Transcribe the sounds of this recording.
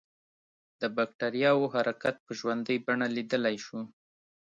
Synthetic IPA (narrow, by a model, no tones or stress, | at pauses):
d̪̥əbakʈaɾijɑwoɦaɾakat̪̚pəʒwand̪əjbaɳalid̪əlajʃu